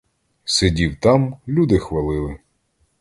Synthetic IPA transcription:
sedʲiwt̪ɑmlʲud̪ɪxʋɐlˠɪlˠɪ

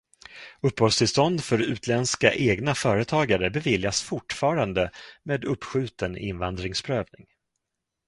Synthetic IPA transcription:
ɵpːhɔlst̪ʰɪlst̪ɔnd̪fœɾʉ̟ːt̪ʰlɛnskaʔeːɡnafœːɾət̪ʰɑːɡaɾəbɛvɪljasfʊʈfɑːɾand̪əmeːd̪ɵpːɧʉ̟ːt̪ənɪ̰nvand̪ɾɪŋspʰɾøːvnɪŋ

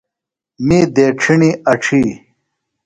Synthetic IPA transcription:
miːd̪eːʈ͡ʂʰiniɐʈ͡ʂʰiː

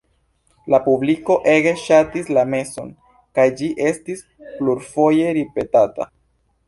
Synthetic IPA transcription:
lapubliko̞ʔe̞ɡeʃatislame̞so̞̰n | kajd͡ʒiʔe̞stis | pluɾfo̞je̞ɾipe̞tata̰

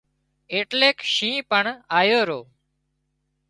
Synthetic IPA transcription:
eːʈleːkʃĩːpəɳaːjoːɾoː

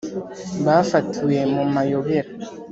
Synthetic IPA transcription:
bafatʰuwemumajoβeɾa

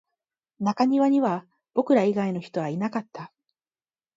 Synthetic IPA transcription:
nakaɲ̟iβaɲ̟iβa | b̥o̞kɯ̟ɾaiɡaino̞çi̥t̪o̞βainakat̪ːa

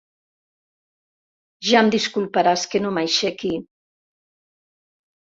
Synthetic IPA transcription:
ʒamd̪iskulˠpaɾaskenomajʃɛki

